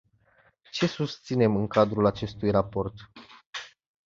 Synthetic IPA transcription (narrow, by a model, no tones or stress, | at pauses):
t͡ʃe̞sust̪sine̞mɨŋkad̪ɾulat͡ʃe̞st̪ujrapo̞rt̪